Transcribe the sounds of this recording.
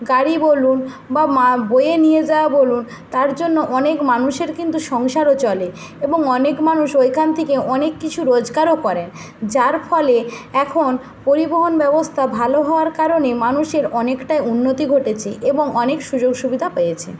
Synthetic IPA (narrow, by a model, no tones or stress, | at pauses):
ɡaɽibolun | bamabojenijed͡ʑaoabolun | t̪aɾd͡ʑonːoʔɔnekmanuʃeɾkint̪uʃɔŋʃaɾot͡ɕɔle | eboŋɔnekmanuʃojkʰant̪ʰikeʔɔnekːit͡ɕʰuɾod͡ʑɡaɾokɔɾen | d͡ʑaɾfɔleɛkʰon | poɾiboɦonbɛbost̪ʰabʱaloɦɔoaɾkaɾonemanuʃeɾɔnekʈajunːot̪iɡʱoʈet͡ɕʰeʔeboŋɔnekʃud͡ʑoɡʃubid̪ʱapejet͡ɕʰḛ